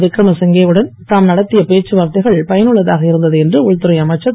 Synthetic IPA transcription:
ʋɪkːɾɐmɐsɛŋɡeːɯɽɐnt̪aːmnɐɽɐt̪ːɪjɐpeːʈt͡ʃːɯʋaːɾt̪ɐɪɣɐɭpɐjɐnɯɭːɐðaːɣɐɪɾɯnd̪ɐðɯɛndrɯʊɻt̪ːɯɾɐɪɐmɐt͡ʃːɐ

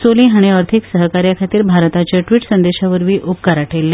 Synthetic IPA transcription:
soliːɦaɽ̃iəɾt̪ʰiksəɦkaɾjakʰat̪iːɾbʱaɾt̪at͡ɕjaʈʋiːʈsənd̪eɕaʋəɾʋiːʔupkaɾaʈʰelːe

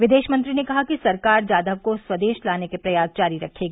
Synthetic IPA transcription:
ʋɪd̪eːʃmɐ̃nt̪ɾinekɐɦakisɐɾkaːɾd͡ʒjaːd̪əʋkoswɐd̪eːʃlaːnekepɾɐjaːsd͡ʒaːɾiɾɐkʰːeːɡaː

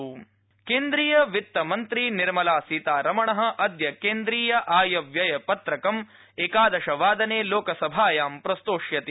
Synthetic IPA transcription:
keːnd̪ɾiːjɐʋit̪ːɐmɐnt̪ɾiniɾmɐlaːsiːt̪aːɾɐmɐɳɐɦɐ̆ʔɐd̪jɐkeːnd̪ɾiːjɐʔaːjɐʋjɐjɐpɐt̪ɾɐkɐm | eːkaːd̪ɐʂɐʋaːd̪ɐneːloːkɐsɐbʱaːjaːmpɾɐst̪oːʂjɐt̪

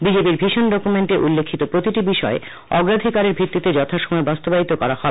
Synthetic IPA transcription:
bid͡ʑepiɾbʱiʃonɖɔkumeɳʈeʔulːekʰːit̪opɾot̪iʈibiʃɔe | ɔɡɾad̪ʱikaɾeɾbʱit̪ːit̪ed͡ʑɔt̪ʰaʃɔmɔebast̪obait̪okɔɾahɔ

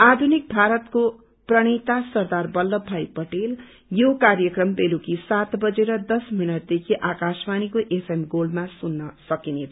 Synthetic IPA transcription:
ad̪ʱunik̚bʱaɾʌt̪ko | prʌɽ̃it̪asʌrd̪arbʌldʌbʱajpʌʈel | jokarjʌkrʌmbelukisat̪bʌd͡zeɾʌd̪ʌsminʌʈ̚d̪ekʰiʔakasmanikoʔepʰemɡolmasunːʌsʌkinet̪ʰ

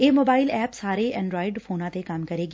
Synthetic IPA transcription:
eːmoːbaːɪlɛːpsaːɾeʔɛ̃ɳɖɾoːɪɖfʰoːnãːt̪ekamkəɾeːɡi

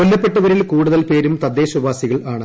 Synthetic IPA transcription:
ko̞lːɐpːeʈːɐʋɐɾilkuːɽuðɐlpe̞ːɾumt̪ɐd̪ːeːɕubaːsiɣɐɭaːɳɨ

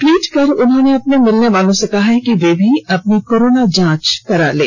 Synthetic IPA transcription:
ʈwiːʈkɐɾʊnɦõːneɐpnemɪlneʋaːlõsekɐɦaɦɛkiʋeːbʱiɐp̚nikoːɾoːnad͡ʒãːt͡ʃkɐɾa̰ːlḛː

